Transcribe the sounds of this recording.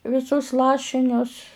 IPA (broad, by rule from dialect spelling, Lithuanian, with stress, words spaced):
ʋʲɪˈsʊs ˈlˠɑːʃʲɪnʲʊs